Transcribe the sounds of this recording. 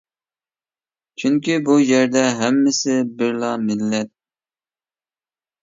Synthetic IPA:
t͡ʃʰyŋkʲibujɛɾd̪ɛɦɛmːɪsɪbɪɾlˠɑmɪlːɛt̪̚

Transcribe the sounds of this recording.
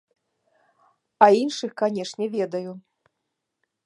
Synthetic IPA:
ɐinʂɨxkanʲɛʂnʲɛvʲɛd̪ɐju

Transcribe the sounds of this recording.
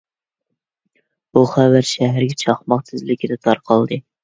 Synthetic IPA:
buχæwæɾʃæɦæɾɡʲɛt͡ʃʰɑχmɑqt̪ʰɪzlɪkʲɪd̪ɛt̪ʰɑɾqʰɑlˠd̪ɨ

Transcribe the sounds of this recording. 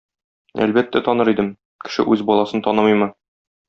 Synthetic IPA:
æ̰lbæt̪ːæt̪ɒnɤɾid̪ɘm | kɘ̥̆ʃɘ̰ʔʉzbɒlˠɑsɤnt̪ɒnɤmɤjmɤ

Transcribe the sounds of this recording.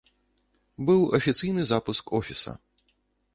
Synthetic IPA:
bɨwɐfʲit̪sɨjnɨzapuskɔfʲisɐ̰

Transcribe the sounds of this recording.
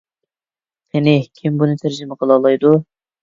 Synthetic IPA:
ɪnɪkʲʰɪmbunɨt̪ʰæɾd͡ʒɪmɛqʰəlˠɑlˠɑjd̪u

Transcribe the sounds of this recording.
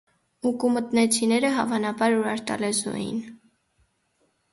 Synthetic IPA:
ukumət̪nɛt͡sʰinɛɾəɦɑvɑnɑbɑɾuɾɑɾt̪ɑ̰lɛzuɛ̰jḭn

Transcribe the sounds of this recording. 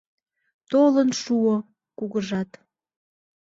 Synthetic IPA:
t̪olənʃuo | kuɣəʒɑt̪

